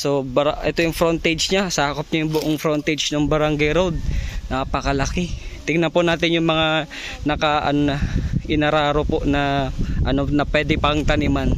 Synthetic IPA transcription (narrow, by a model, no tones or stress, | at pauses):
so̞bɐɾaʔɛt̪ojʊŋfɾont̪ɛd͡ʒɲasaːkop̚ɲajʊŋbʊʔoŋfɾont̪ɛd͡ʒnoŋbɐɾaŋɡajɾowd̪̚nɐpɐkɐlɐkɪt̪ɪŋnɐpʊnaːt̪ɪnjʊŋmɐŋa | nɐkaʔɐnʔɪnɐɾaːɾopoʔnɐʔɐnonɐpwɛːd̪ɪpɐŋt̪ɐnɪman